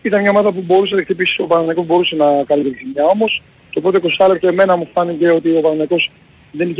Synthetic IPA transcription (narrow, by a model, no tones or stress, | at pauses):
it̪ɐnmɲɐomɐðɐp̬ubo̞ɾusenɐkt̪ipisi̥opɐɾɐnɐkobo̞ɾuse̞nɐkɐnlit̪et̪isimɲɐo̞mo̞s | ceopɾo̞t̪eko̞sɐlekt̪oeme̞nɐmufɐnice̞o̞t̪io̞pɐnɐnɐko̞s | ðe̞niç